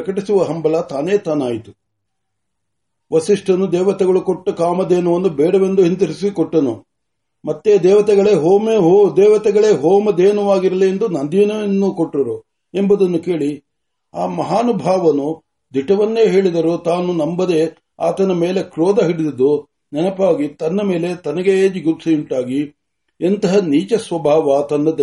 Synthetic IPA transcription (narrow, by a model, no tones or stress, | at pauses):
kɐʈisuʋɐɦɐmbɐlɐt̪aːneːt̪aːnaːjit̪u̥ | ʋɐsiʂʈɐnːud̪ɛːʋɐt̪ɛɡɐɭukɔʈːɐkaːmɐd̪ɛːnɐʋɐnːubɛːɽɐʋend̪uɦint̪ɐɾisikɔʈːɐnṵ | mɐt̪ːe̞d̪ɛːʋɐt̪ɛɡɐɭeːɦoːmeɦod̪ɛːʋɐt̪ɛɡɐɭe̞ːɦɔːmɐd̪eːnɐʋaːɡiɾɐliend̪unɐnd̪inɐʋɐnːukoʈːɐɾu | embɐd̪ɐnːuke̞ːɭi | aːmɐɦaːnubʱaːʋɐnu | d̪ʱiʈɐʋɐnːe̞ːɦe̞ːɭid̪ɐɾut̪aːnunɐmbɐd̪e̞ | a̰ːt̪ɐnɐme̞ːle̞kɾɔːd̪ɐɦiɽid̪ɐd̪u | nɛnɐpaːɡit̪ɐnːɐme̞ːle̞t̪ɐnɐɡe̞d͡ʒiɡutsɐjuɳʈaːɡi | ent̪ɐɦɐniːt͡ʃɐsʋɐbʱaːʋɐt̪ɐnːɐd̪